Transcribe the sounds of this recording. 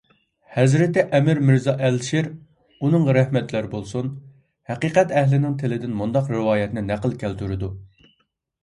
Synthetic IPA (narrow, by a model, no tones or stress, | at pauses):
hɛzɾɪt̪ɪʔɛmɪɾmɪɾzɑʔɛlʃiɾ | unɨŋʁɑɾɛhmɛt̪ʰlæɾbolˠsun | hæqiːqɛt̪ɛhlɪnɪŋt̪ʰɪlɪd̪ɪnmund̪ɑqɾɪwɑːjɛt̪nɪnæqəlˠkʲʰælt̪ʰyɾɪd̪u